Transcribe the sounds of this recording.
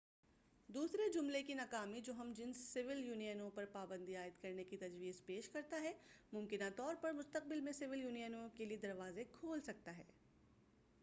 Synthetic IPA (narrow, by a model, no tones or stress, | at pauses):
d̪uːsɾed͡ʒʊmlekinɐkaːmid͡ʒoːɦɐmd͡ʒɪnsːɪʋɪljuːnijənõpɐɾpaːbə̃nd̪iaːɪd̪kɐɾnekit̪ɐd͡ʒʋiːzpeːʃkɐɾt̪aɦɛmʊmkɪnat̪ɔːɾpɐɾmʊst̪əq̚bɪlmẽsɪʋɪljuːnijənõkelied̪ɐɾʋaːzekʰoːlsɐk̚t̪aɦɛː